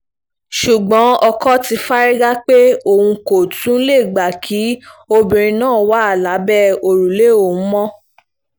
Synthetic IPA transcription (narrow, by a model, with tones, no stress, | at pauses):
ʃu˨ɡ͡bɔ̃˨˦ɔ˧kɔ˦ti˧fa˦ɾi˦ɡa˦k͡pe˦o˦˨hũ˧ko˨tũ˨˦le˦˨ɡ͡ba˨kʰi˨˦o˧bĩ˨ɾ̃ĩ˧nãː˦˨˦wa˦a˦˨la˨˦bɛ˦o˧ɾu˨le˦o˦˨ũ˨˦mɔ̃˦